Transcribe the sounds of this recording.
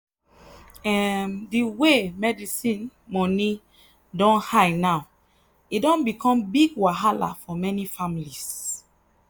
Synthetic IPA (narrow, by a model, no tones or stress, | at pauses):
ɛmdiwemɛdisĩnmɔni | dɔ̃nhaɪnaʊ | idɔ̃nbikʰɔ̃mbiɡwaɦala̰fɔmɛnifamilis